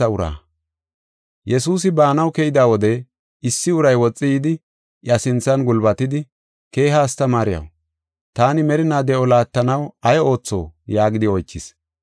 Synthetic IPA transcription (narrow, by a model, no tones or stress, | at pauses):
ɐʊɾa̰ː | jɛsuːs̬ɪbaːnɐwkɛjɪd̪aːwɔd̪ɛ | ɪsːɪʊɾɐjwɔt͡sʼːɪjɪd̪ɪ | ʔɐsɪnt͡sːɐnɡʊlbɐt̪ɪd̪ɪ | ke̞ːɦaːst̪ɐmaːɾɪjɐ̰w | t̪aːnɪmɛɾɪnaːd̪ɛʔɔlaːt̪ːɐnɐwɐjo̞ːt͡sːo̞̰ːjaːɡɪd̪ɪɔjt͡ʃːɪs